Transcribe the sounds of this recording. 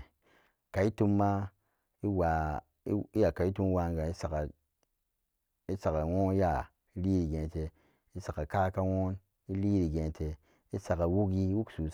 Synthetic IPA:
ka˨i˦tu˧mːa˦ | i˦wa˨˦ | i˦ja˨ka˨i˦tu˦m˦wa˧ŋ˦ɡa˨i˦sa˨ka˨ | i˦sa˨ka˨wo˦ja˨ | i˦li˦ɾi˨ɡẽ˨te˨ | i˦sa˨ka˨ka˦ka˦wo˦n | i˦li˦ɾi˨ɡẽ˨tʰe˨ | i˦sa˨ka˨wu˦ki˦wu˦ksu˨

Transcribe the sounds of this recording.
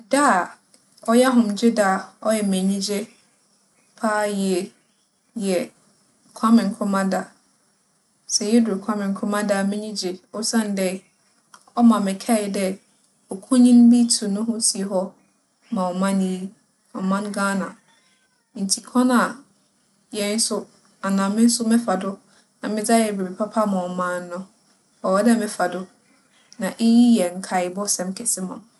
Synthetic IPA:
da˦˨ | ɔ˦jɛ˦ɦʊ̃˨md͡ʑɪ˦da˦˨ɔ˦jɛ˨mẽ˨ɲĩ˦d͡ʑe˦ | pʰaː˦jɛ˨ | jɛ˨ | kʰa˦mɪ̃˨n˨kʰʊ̃˦mã˦da˦ | sɛ˨jɛ˦dʊ˨o˨kʰa˦mɪ̃˨n˨kʰʊ˦mã˦da˨mɛ̃˦ɲĩ˦d͡ʑe˨ɔ˦sã˦n˨dɛ˦ | ɔ˦mã˨mɪ̃˨kʰɛ˦˨dɛ˦ | ɔ˨kʰũ˦ɲĩ˦n˦bi˦tʰũ˨nʊ̃˦ɦʊ̃˦si˨˦ɦɔ˦ | mã˨ɔ˨mã˦n˦i˦ | ɔ˨mã˦nɡãː˦nã˨ | n̩˨tʰi˨kʰɔ̃˦na˨ | jɛ˨n̩˦sʊ˦ | a˨nãː˨mɪ̃˦n̩˦sʊ˦mɪ̃˦fa˨dʊ˦ | nã˨mɪ̃˦d͡za˦jɛ˨be˨bi˨pʰa˦pʰa˦mã˨ɔ˨mãː˨n˦nʊ̃˦ | ɔ˨wɔ˦dɛ˦mɪ̃˦fa˨dʊ˦ | nã˨ʔe˦ji˦jɛ˨ŋ̩˨kʰa˨ɪ˨bɔ˦sɛ̃˨mkʰɛ˨sɪ˦mã˨m

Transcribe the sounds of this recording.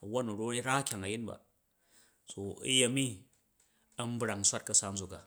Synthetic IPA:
ɐ˨wo˦nu˨ɾo˦ɾa˦kʲa˨ŋɐ˨ji˦nba̰˨ | so˨ḭ˦je˨mi˦ | ɐ˦m̩˦bɾa˨ŋ˨sʷa˦t̚kɐ˨sa˦n̩˦zo˨ka˨

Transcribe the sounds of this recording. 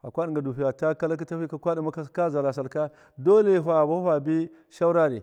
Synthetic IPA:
a˨kʷa˦ɗi˨ŋ˨ɡa˨du˨fi˨ja˨ta˦ka˦la˦k̬i˦ta˦fi˦ka˦kʷa˦da˨ma˦ka˦ka˦za˨la˨s̬a˨lka˦ | do˦le˨ɦa˨ba˦a˨bi˦ | ʃa˦u˦ɾa˦ɾi˨

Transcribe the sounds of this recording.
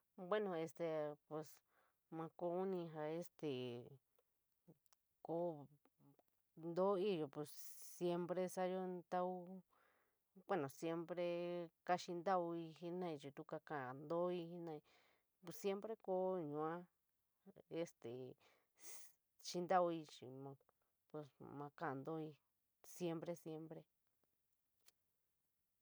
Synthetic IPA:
bwe˦nõ˧˨e˧st̪e˨pe˧˨s | mã˧ko˧˦u˦nĩ˧ɦa˧e˦st̪e˨ | koː˨˦ | nd̪o˦i˦jo˨pe˧ssje˧mpɾe˧sa˦jo˦nd̪a˦u˦ | kʷe˦nõ˨sje˧mpɾe˧ka˦ʃi˧nd̪a˦u˧i˧hi˦nã˦˧ĩ˧t͡ʃi˧t̪u˦ka˧kã˨a˨nd̪o˦i˧hi˦nã˧i˧ | pe˧sje˦mpɾe˦ko˦ɲũ˧˨ã˦ | e˧st̪ḛ˨ | t͡ʃi˧nd̪a˦u˧i˧t͡ʃḭ˨mã˧ | pe˧smã˧kã˦a˧nd̪o˦i˧ | sje˦mpɾe˧sje˧mpɾe˧

